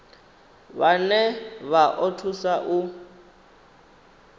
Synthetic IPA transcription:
βanɛβaʔɔtʰusaʔu

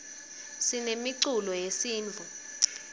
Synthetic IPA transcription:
sinemiǀulɔjesiːnd͡ɮʱu

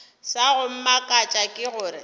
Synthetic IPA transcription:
saɣʊm̩makʼat͡ʃʼakʼɪɣʊːɾɪ

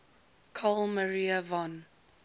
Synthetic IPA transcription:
kʰɔlməɹiəvɔ̃n

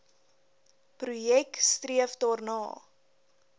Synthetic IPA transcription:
prujɛkstriəfdɑːrnɑ̰ː

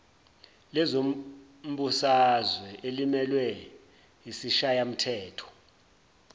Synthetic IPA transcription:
lɛzo | m̩ɓusazwɛʔelimɛlwɛ | ɦisiʃajam̩tʰɛːtʰɔ̥

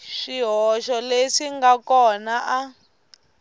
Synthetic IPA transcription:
ʂiɦɔʃɔleʂiŋɡakɔnaʔa

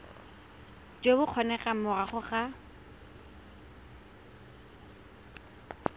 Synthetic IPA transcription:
t͡ʃʼebʊq͡χʰɔnɛχamʊraχʊχa

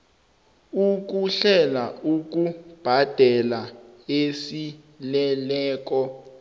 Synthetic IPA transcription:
uk̬uɬɛlauk̬ub̥ʱad̥ʱɛlaesi | lɛlɛːk̬ɔ

